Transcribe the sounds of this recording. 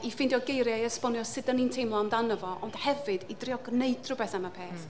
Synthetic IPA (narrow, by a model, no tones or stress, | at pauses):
ifɪndjɔɡejɾjaiəspɔnjɔsɪdənintʰejmlˠɔamdanəvɔʔɔnd̥hɛvɨdidrɪɔɡnejdʰrʊbɛθamapʰeːθ